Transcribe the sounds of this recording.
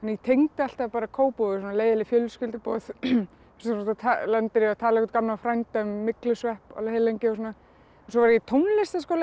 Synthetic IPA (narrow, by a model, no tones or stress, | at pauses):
anːjɛt̪ʰejŋt̪ɪal̥t̪avpaːɾakʰoːwpowɣɪsɔnaleːjðɪlɪfjœlskʏlt̪ɪpɔ̰θ | ssɔt̪at̪ʰalɛnt̪ɪɾɪat̪ʰaːlaɛkɔt̪kamlafɾajnt̪aʏmːɪklʏsvɛhpa̰lahejlejɲcɪɔsɔːna | ɛns̬ɔvaɾjɛt̪ʰownlɪst̪askɔːl